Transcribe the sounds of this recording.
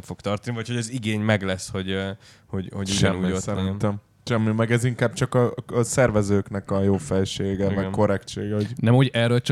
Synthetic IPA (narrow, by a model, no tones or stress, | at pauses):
mfo̞kt̪ɒrt̪ɒnivɒcho̞ɟɒziɡeːɲmɛɡlɛsho̞ɟ | hoɟhoʃɛmːiosɛɾinnt̪ɛm | ʃɛmːimɛɡɛziŋkaːb̚t͡ʃɒkɒsɛrvɛzøːknɛkɒjoːfɛlʃeːɡɛmɛkːo̞ɾɛkt͡ʃeːɡɛɦoɟnɛmoɟɛrølt͡ʃ